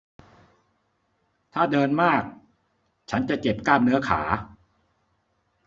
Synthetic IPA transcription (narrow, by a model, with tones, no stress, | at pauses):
t̪ʰaː˥˩dɤː˧nmaː˥˩k̚ | t͡ɕʰa˦˥nt͡ɕa˨˩t͡ɕe˨˩p̚kaː˥˩m̚nɯ˦˥ɐkʰa̰ː˩˦